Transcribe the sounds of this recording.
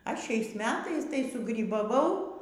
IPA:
ˈɐʃ ˈʃʲɛɪs ˈmʲæːtɐɪs tɐɪ sʊɡrʲiːbɐˈʋɐʊ

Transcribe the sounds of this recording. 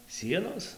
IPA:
ˈsʲiɛnoːs

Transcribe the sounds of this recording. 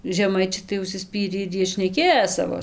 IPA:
ʒʲɛˈmɐɪt͡ʃʲɛɪ tɐɪ ʊʃʲsʲɪˈsʲpʲiːrʲiː ɪr ˈjiɛ ʃʲnʲɛˈkʲeːjoː ˈsɑːʋoː

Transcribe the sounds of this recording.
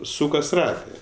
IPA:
ˈsuːkɐs ˈrɑːtɜ

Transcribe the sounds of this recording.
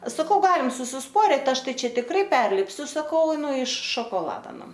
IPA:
sɐˈkɐʊ ˈɡɑːlʲɪm sʊsʲɪsˈpoːrʲɪt ˈɐʃ ˈtɐɪ ˈt͡ʃʲɛ tʲɪkˈrɐɪ ˈpʲɛrʲlʲɪpʲsʲʊ sɐˈkɐʊ ˈnʊ ɪʃ ʃoːkoːˈlˠɑːdɐ ˈnʊ

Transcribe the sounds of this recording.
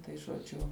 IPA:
tɐɪ ʒoːˈd͡ʒʲʊ

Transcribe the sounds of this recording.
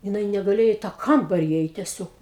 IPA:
jɪˈnɐɪ nʲɛɡɐˈlʲeːjoː iː tɑː ˈkɐmbɐrʲɪ iːˈɛɪt tʲɛˈsʲoːk

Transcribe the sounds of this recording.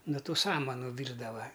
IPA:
noː ˈtuː ˈsɑːmɐnʊ ˈʋʲiːrdɐʋɐ

